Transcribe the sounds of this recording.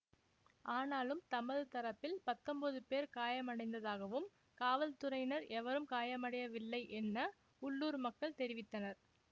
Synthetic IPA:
ʔaːnaːlɯmt̪ɐmɐðɯt̪ɐɾɐpːɪlpɐt̪ːɔmbɐðɯpeːɾkaːjɐmɐɽɐɪnd̪ɐðaːɣɐʋɯm | kaːʋɐlt̪ɯɾɐɪnɐɾɛʋɐɾɯmkaːjɐmɐɽɐjɐʋɪlːɐɪʔɛnːɐ | ʊɭːuːɾmɐkːɐɭt̪ɛɾɪʋɪt̪ːɐnɐɾ

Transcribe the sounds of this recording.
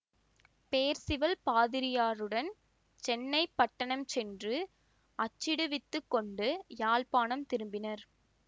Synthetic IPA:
peːɾsɪʋɐlpaːðɪɾɪjaːɾɯɽɐn | t͡ʃɛnːɐɪpːɐʈːɐɳɐmt͡ʃɛndrɯ | ɐt͡ʃːɪɽɯʋɪt̪ːɯkːɔɳɖɯjaːlpaːnɐmt̪ɪɾɯmbɪnɐɾ

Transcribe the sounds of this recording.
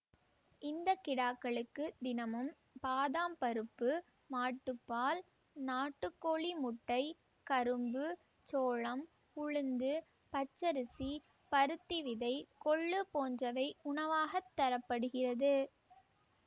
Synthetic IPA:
ʔɪnd̪ɐkːɪɽaːkːɐɭɯkːɯd̪ɪnɐmɯm | paːðaːmpɐɾɯpːɯ | maːʈːɯpːaːl | naːʈːɯkːoːɭimʊʈːɐɪ | kɐɾɯmbɯ | t͡ʃoːɭɐm | ʊɻɯnd̪ɯ | pɐt͡ʃːɐɾɯsi | pɐɾɯt̪ːiʋɪðɐɪkɔɭːɯpoːnd͡ʒɐʋɐɪʊnɐʋaːɣɐt̪ːɐɾɐpːɐɽɯɣɪrɐðɯ

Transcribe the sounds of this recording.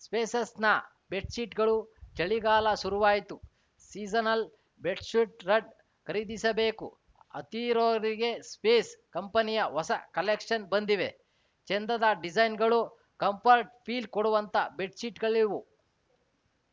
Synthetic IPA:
speːsɐsnɐ | beʈsiːʈɡɐɭud͡ʒɐɭiɡaːlɐsuɾuʋaːjit̪u | siːzɐnɐl | beʈsuʈɾɐɖ | kɐɾid̪isɐbe̞ːkṵ | ɐ̰t̪iɾoːɾiɡe̞speːskɐmpɐnijɐɦɔsɐkɐlekʂɐnbɐnd̪iʋe̞ | t͡ʃend̪ɐd̪ɐɖid͡ʒɐjnɡɐɭu | kɐmpʰɐɾʈpʰiːlɖkoɽuʋɐnt̪ɐbeʈsiːʈɡɐɭiʋu

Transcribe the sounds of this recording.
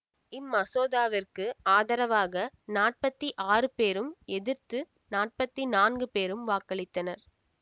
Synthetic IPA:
ɪmːɐsoːðaːʋɪrkɯaːðɐɾɐʋaːɣɐnaːʈ̚pɐt̪ːiʔaːrɯpeːɾɯmɛðɪɾt̪ɯ | naːʈ̚pɐt̪ːinaːnɡɯpeːɾɯmʋaːkɐɭɪt̪ːɐnɐɾ

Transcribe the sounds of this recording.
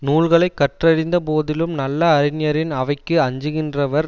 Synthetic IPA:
nuːlɣɐɭɐɪkːɐʈrɐɾɪnd̪ɐpoːðɪlɯmnɐlːɐːɾɪnjɐɾɪnɐʋɐɪkːɯɐɲd͡ʒɯɣɪndrɐʋɐɾ

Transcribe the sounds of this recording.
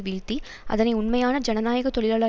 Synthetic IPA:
ʋiːɻt̪i | ʔɐ̰ðɐnɐɪʊɳmɐjaːnɐd͡ʒɐnɐnaːjɐɣɐt̪ɔɭɪlaːɭɐː

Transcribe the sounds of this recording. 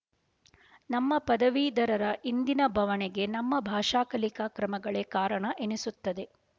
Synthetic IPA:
nɐmːɐpɐd̪ɐʋiːd̪ɐɾɐɾɐʔind̪inɐbʱɐʋɐneɡe̞nɐmːɐbʱaːʂaːkɐlikakɾɐmɐɡɐɭeːkaːɾɐɳɐʔenisut̪ːɐd̪e̞

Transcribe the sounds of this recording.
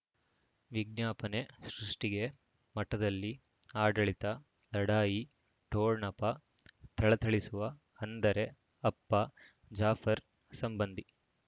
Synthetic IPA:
ʋiɡ̚njaːpɐne̞sɾuʂʈiɡe̞ | mɐʈɐd̪ɐlːi | aːɖɐɭit̪ɐ | lɐɽaːji | ʈoːɾnɐpɐ | t̪ʰɐɭɐt̪ʰɐɭisuʋɐ | hɐnd̪ɐɾe̞ | ɐpːɐ | d͡ʒaːfʰɐɾ | sɐmbɐnd̪i

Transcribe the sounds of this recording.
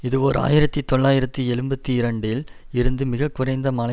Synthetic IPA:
ɪðɯʋɔːɾa̰ːjɪɾɐt̪ːit̪ːɔɭːaːjɪɾɐt̪ːiɛɻɯmbɐt̪ːiɪɾɐɳɖɪl | ɪɾɯnd̪ɯmɪɣɐkːʊɾɐɪnd̪ɐmɐːlɐ

